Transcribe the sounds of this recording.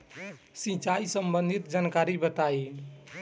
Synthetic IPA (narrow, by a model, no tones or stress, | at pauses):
sĩt͡ʃaisəmbənd̪ʱit̪d͡ʒankaɾibət̪aj